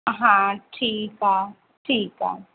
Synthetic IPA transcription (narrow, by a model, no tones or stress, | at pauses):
ɦãʈʰiːka | ʈʰiːka̰